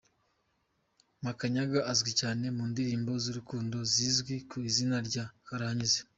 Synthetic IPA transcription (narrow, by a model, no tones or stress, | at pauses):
makaɲaɡaʔazɡwicaːne̞muːndiɾiːmbo̞ziɾukuːndo̞ziːzɡwikuizinaɾɟakaɾahaɲize